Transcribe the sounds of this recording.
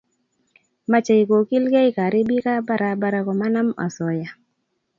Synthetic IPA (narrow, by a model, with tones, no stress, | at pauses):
ma˦t͡ʃa˨i˨ko˨ki˦lɡa˦i˦ka˨ɾi˦bi˦ka˦ba˦ɾa˨ba˦ɾa˨kɔ˨ma˦na˦ma̰˨sɔ˨ja˨